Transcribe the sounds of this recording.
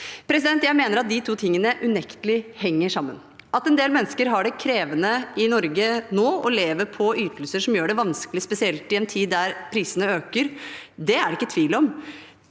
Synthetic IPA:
pʰɾɛs̬ɪd̪ɛnt̪jæɪmeːnəɾɑt̪̚d̪ɪt̪ʰuːt̪ʰɪŋːənəʔʉnɛkt̪əlɪhɛŋːəʂɑmːə̰n | ʔɑt̪ɛnd̪eːlmɛnːəskəɾɦɑɖɛkʰɾeːʋənəɪnɔɾɡənoːɔleːʋəɾpʰɔyːt̪əlsəʂɔmjøːɖɛʋɑnskəlɪspɛsɪɛlt̪ɪɛnt̪ʰiːd̪ːæɾpʰɾiːsənəøːkəɾd̪ɛæɖɛɪkːət̪ʰʋiːlɔm

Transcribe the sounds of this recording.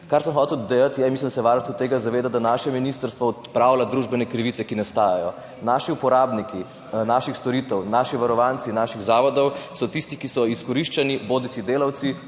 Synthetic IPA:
kaɾsəmxɔt̪ɛwd̪ejat̪jɛmislimd̪asɛʋaɾnɔt̪kut̪ːeːɡazaʋeːd̪ad̪anaʃɛminist̪əɾst̪ʋɔɔt̪pɾawlad̪ɾuʒbɛnɛkɾiʋit̪sɛkinast̪aːjajɔ | naʃiupɔɾaːbniki | naʃixst̪ɔɾit̪ɛwnaʃiʋaɾɔʋant̪sinaʃiɣzaːʋɔd̪ɔwsɔt̪ist̪ikisɔiskɔɾiʃt͡ʃaniboːd̪isid̪eːlawt̪si

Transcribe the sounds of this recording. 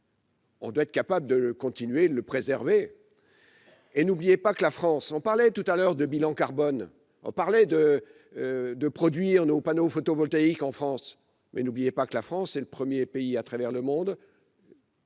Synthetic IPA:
ɔ̰̃d̪waɛt̪χkapabləd̪ələkɔ̃t̪inɥeləpχezɛʁve | nublijepakəlafχɑ̃sɔ̃paʁlɛt̪ut̪alœʁd̪əbilɑ̃kaʁbɔn | ɔ̰̃paʁlɛd̪ə | d̪əpχɔd̪ɥiʁnopanofot̪ovɔlt̪aikɑ̃fχɑ̃s | mɛ̰nublijepakəlafχɑ̃sːɛləpχəmjepeiat̪χavɛʁləmɔ̃d̪

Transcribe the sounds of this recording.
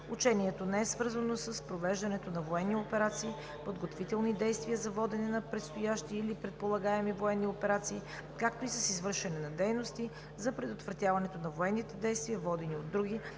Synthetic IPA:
ut͡ʃɛniɛt̪onɛɛsvɤɾzənosɐspɾovɛʒd̪ɐnɛt̪onɐvoɛnːiopɛɾat̪siː | pod̪ɡot̪vit̪ɛlˠnid̪ɛjst̪viəzɐvɔd̪ɛnɛnɐpɾɛt̪st̪ojaʃt̪iːlipɾɛt̪̚polˠɐɡaɛmivoɛnːiopɛɾat̪siː | kakt̪oisɐsizvɤɾʃɛnɛnɐd̪ɛjnost̪i | zɐpɾɛd̪ot̪vɾɐt̪ʲjavɐnɛt̪onɐvoɛnːit̪ɛd̪ɛjst̪viɐvɔd̪ɛniod̪ːɾuɡʲi

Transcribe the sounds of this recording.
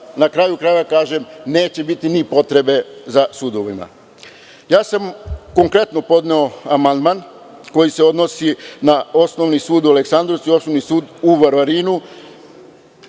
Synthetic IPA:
nakɾaːjukɾaeʋakaːʒe̞mne̞ːt͡ɕe̞bit̪inipo̞t̪ɾe̞be̞zasud̪o̞ʋima̰ | jaːsamko̞ŋkɾe̞t̪no̞po̞d̪neoamand̪man | ko̞jise̞o̞d̪no̞sinao̞sno̞ʋnisuːd̪uale̞ksand̪ɾo̞ʋt̪suio̞snoʋnisuːd̪uʋaɾʋaɾiːnu

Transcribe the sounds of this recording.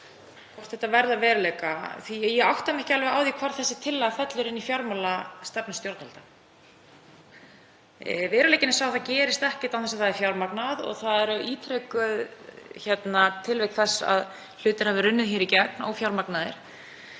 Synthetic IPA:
k̪ʰɔr̥t̪θɛht̪ːavɛɾðavɛːɾʏlejkaθijɛawht̪amɛhcɪalvɛɣaːwðikʰvaɾ̥θɛsːɪt̪ʰɪlːaɣfɛt̪lʏɾɪnːifjawɾmalast̪ɛpnɪst̪joɾt̪nalt̪a | vɛːɾlejcɪnɪsawθaðcɛːɾɪst̪ɛhcɪ̥ɾ̥t̪anθɛsaðθaðɛɾfjawɾmaknaðɔ̰ɣθaðɛɾiːt̪ʰɾɛːkʏðçɛt̪nat̪ʰɪlvɛjk̪θɛsːa̰ð | l̥ʏːt̪ɪɾ̥havɪɾʏnːɪðçiːɾicɛknɔ̰ɣfjawɾmaknaðɪɾ̥

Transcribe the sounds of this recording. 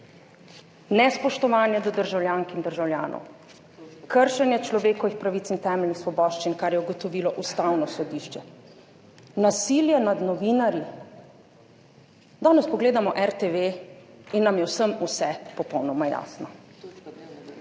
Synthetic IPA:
nɛspɔʃt̪ɔʋaːnjɛd̪ɔd̪əɾʒawljaːŋkind̪əɾʒawlja̰ːnʔɔ̰w | kəɾʃɛnjɛt͡ʃlɔʋeːkɔʋixpɾaʋit̪sint̪ɛːmɛlʲnixsʋɔbɔːʃt͡ʃinkaɾjɛuɡɔt̪ɔʋiːlɔʔust̪awnɔsɔd̪iːʃt͡ʃɛ | nasiːljɛnad̪nɔʋiːnaɾji | d̪ɔːnɛspɔɡleːd̪amɔʔɛɾt̪eʋeinːamjɛwsəmusɛpɔpɔwnɔmaja̰ːsnɔ

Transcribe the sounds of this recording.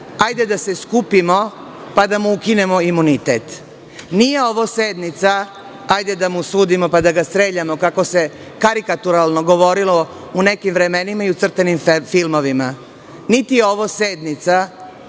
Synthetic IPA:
ajd̪ed̪aseskupimo̞ | pad̪amuukine̞moimunit̪et̪ | nije̞oʋoseːd̪nit̪sa | ajd̪e̞d̪amusuːd̪imo̞pad̪aɡast̪ɾeːʎamo̞kako̞se | kaɾikat̪uɾalˠnoɡo̞ʋo̞ɾilo̞ | une̞kimʋɾe̞me̞nimaiut̪sr̩t̪enimfilˠmo̞ʋima | nit̪ijeo̞ʋoːseːd̪nit̪sa

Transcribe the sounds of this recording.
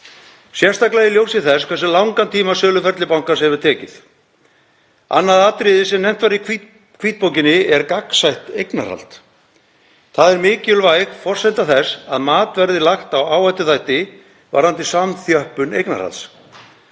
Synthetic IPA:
sjɛr̥st̪aklajɪljowsɪθɛskʰvɛɾsɪlawŋkant̪ʰiːmasœːlʏfɛɾt̪lɪpawŋkashɛvʏɾ̥t̪ʰɛːcɪθ | a̰nːaðaːt̪ɾɪðɪsɛmnɛjm̥t̪vaɾikʰ | kʰviːt̪̚powcɪnɪɛɾkaksajht̪ejkna̰ɾ̥ha̰l̥t̪ | θaðɛɾmɪːcʏlvajɣfɔr̥sajnt̪aθɛsaðmaːt̪vɛɾðɪlaxt̪awaːwhajt̪ʏθajht̪ɪ | va̰ɾant̪ɪsamθjœhpʏnḛjkna̰ɾ̥ha̰ls

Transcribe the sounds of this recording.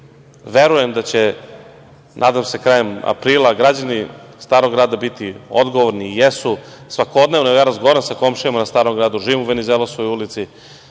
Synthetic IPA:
ʋeɾujemd̪at͡ɕe | nʔa̰ːd̪amse̞kɾaːjema̰pɾiːlˠaɡɾad͡ʑanist̪aːɾoɡɾaːd̪abit̪io̰d̪ɡoʋoɾnijesusʋako̞d̪neʋnoejaːɾazɡoaɾansako̞mʃijamanast̪aːɾo̞mɡɾaːd̪uʒiːʋimuʋenizelˠasojulit̪si

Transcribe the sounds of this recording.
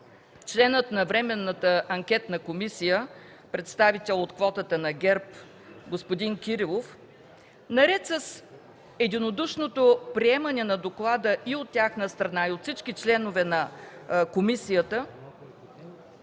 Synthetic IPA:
t͡ʃlɛnət̪nɐvɾɛmɛnːət̪əɐŋkʲɛt̪nɐkomisijə | pɾɛt̪st̪avit̪ɛlˠot̪kvɔt̪ət̪ənɐɡɛɾp | ɡospod̪inkʲiɾilˠof | nɐɾɛt̪səs | ɛd̪inod̪uʃnot̪opɾiɛmənɛnɐd̪oklˠad̪əʔiot̪ːʲaxnəst̪ɾɐnaiot̪fsit͡ʃkit͡ʃlɛnovɛnɐkomisijət̪ə

